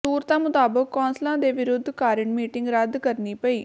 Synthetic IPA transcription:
suːɾt̪ãːmʊt̪aːbəkːɔ̃ːnslãːd̪eːʋɪɾʊd̪ʱːkaːɾəɳmiːʈɪ̃ŋɡɾəd̪kəɾniːpəiː

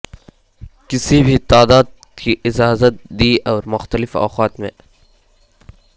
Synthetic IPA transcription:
kɪsibʱit̪aːd̪aːd̪̚ | kiʔɪd͡ʒaːzət̪̚d̪iːʔɔːɾmʊxt̪əlɪfɔ̰ːqaːt̪mḛ̃ː

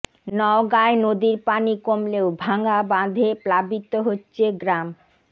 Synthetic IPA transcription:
nɔoɡaenod̪iɾpanikomleobʱaŋabãd̪ʱeplabit̪ːoɦotːɕʰeɡɾam

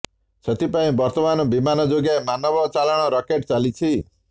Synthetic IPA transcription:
sʰʌt̪ipaĩbʌɾt̪ɔmanobimanʌd͡ʒoɡajmanʌbʌt͡salaɽ̃ɔɾʌkeʈt͡salit͡sʰi

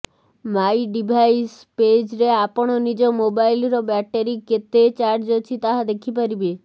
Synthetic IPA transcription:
majɖibʱajs | ped͡ʒɾeapɔɽ̃ɔnid͡ʒɔmobajlɾɔbɛʈeɾiket̪et͡ʃaɾd͡ʒɔt͡ʃʰit̪aɦad̪ekʰipaɾibe

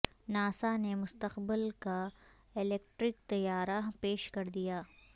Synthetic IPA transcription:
naːsanemʊst̪əqbɪlka | ɪleːk̚ʈɾɪk̚t̪ɐjaːɾapeːʃkɐɾd̪ijaː

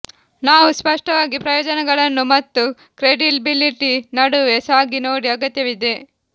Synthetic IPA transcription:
naːʋuspɐʂʈɐʋaːɡipɾɐjɔːd͡ʒɐnɛɡɐɭɐnːumɐt̪ːu | kɾeɖilbiliʈinɐɽuesaːɡinoːɽiɐɡɐt̪jɐʋid̪e

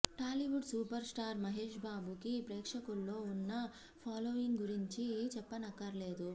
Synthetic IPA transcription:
ʈaːliʋuɖsuːpɐɾsʈaːɾmɐɦeːʂbaːbukipɾɛːkʂɐkulːo̞ːunːɐ | pʰaːloːʋiŋɡɡuɾiɲt͡ʃit͡ʃɛpːɐnɐkːɐɾle̞ːd̪u

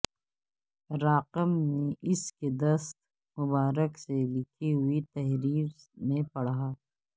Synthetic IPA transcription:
ɾaːqəmnːeʔɪsked̪ɐst̪̚ | mʊbaːɾəkselɪkʰiɦʊit̪ɐɦɾiːɾ | mẽpɐɽaː

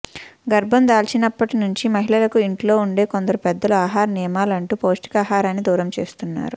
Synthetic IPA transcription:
ɡɐɾbʱɐnd̪aːlt͡ʃinɐpːɐʈinuɲt͡ʃimɐɦiɭɐlɐkuiɳʈlo̞ːuɳɖe̞ːkond̪ɐɾupɛd̪ːɐluaːɦaːɾnijɐmaːlɐɳʈuːpo̞ːsʈi̥kaːɦaːɾaːnːid̪uːɾɐmt͡ʃe̞̰ːst̪unːa̰ːɾu

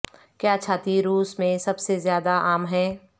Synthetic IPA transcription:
kjaːt͡ʃʰaːt̪iɾuːsmẽsɐbsezjaːd̪aaːmɦɛː

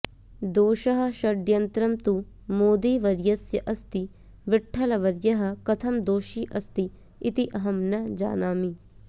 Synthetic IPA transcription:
d̪oːʃɐɦɐ̆ʃɐɖjɐnt̪ɾɐmt̪u | moːd̪iːʋɐɾjɐsjɐʔɐst̪i | ʋɪʈʰːɐlɐʋɐɾjɐɦɐ̆kɐt̪ʰɐmd̪oːʃiʔɐst̪i | it̪iʔɐɦɐmnɐd͡ʒa̰ːnaːmi

